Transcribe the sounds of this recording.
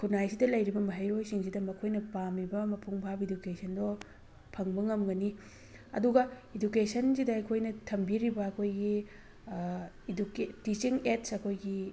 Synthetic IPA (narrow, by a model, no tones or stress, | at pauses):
kʰunajsidɐlɐjɾibɐmɐɦɐjɾojsiŋsidɐmɐkʰojnɐpamibɐmɐpʰuŋbʱabidukesʰɐndɔ | pʰɐŋbɐŋɐmɡɐni | ɐ̰duɡɐidukesɐnsidɐɐjkʰojnɐtʰɐmbiɾibɐɐkʰojɡi | duketit͡ʃiŋetsɐkʰojɡi